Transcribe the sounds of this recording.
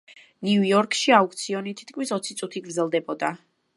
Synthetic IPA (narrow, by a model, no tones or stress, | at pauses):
nujɔɾkʰʼʃiaukʰʼt̪sʰiɔnit̪ʰi̥t̪̚kʰmisɔt̪sʰit̪sʼut̪ʰiɡɾd̪zɛlˠd̪ɛbɔd̪a